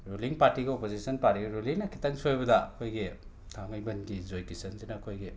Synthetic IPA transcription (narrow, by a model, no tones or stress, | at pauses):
ɾuliŋpaɾtiɡiopozisɐnpaɾtiɡiɾuliŋnɐkʰi̥tɐŋsojbɐdɐɐkʰojɡi | tʰaŋɐjbɐnɡizojtisɐnsinɐːkʰojɡi